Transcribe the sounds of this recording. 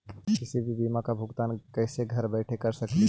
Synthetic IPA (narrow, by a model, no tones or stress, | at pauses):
kɪsibʱibimakabʱʊɡt̪aːnkəɪseɡʱəɾbəɪʈʰekəɾsəkl